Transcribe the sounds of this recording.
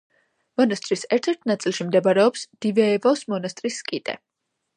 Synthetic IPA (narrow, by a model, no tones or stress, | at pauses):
mɔnast̪ʼɾisɛɾt̪ʰɛɾt̪ʰnat̪sʼilˠʃimd̪ɛbaɾɛɔpsd̪̥ivɛːvɔsmɔnast̪ʼɾiskʼit̪ʼɛ̰